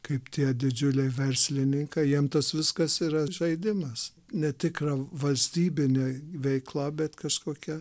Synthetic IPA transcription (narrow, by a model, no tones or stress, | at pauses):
kɐɪpt̪ʲiɛd̪ʲɪd͡ʒʲʊlʲɛɪʋʲɛɾʲsʲlʲɪnʲɪŋkɐɪjiɛmt̪ɐsʋʲɪskɐsiːɾɐʒɐɪd̪ʲɪmɐs | nʲɛt̪ʲɪkrɐʋɐlʲsʲt̪ʲiːbʲɪnʲeːʋʲɛɪklˠɐbʲɛt̪kɐʃkoːkʲɛ